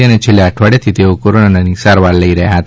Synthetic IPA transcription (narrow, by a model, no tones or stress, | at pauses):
anet͡ʃʰelːeəʈʰʋaɽjat̪ʰit̪eokoɾonananisaɾʋaɾləiɾəɦjaɦət̪